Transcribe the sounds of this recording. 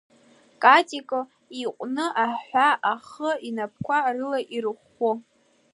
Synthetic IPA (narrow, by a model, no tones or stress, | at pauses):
kʼatʼikʼo | iqʷʼnɨʔaħʷaʔaχəinap̚ʰkʷarɨlaʔirɨχʷ | o